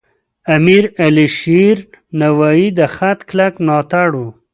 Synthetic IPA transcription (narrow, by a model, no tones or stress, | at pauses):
amiɾaliʃiɾnawaid̪əxat̪klaknɑt̪aɽu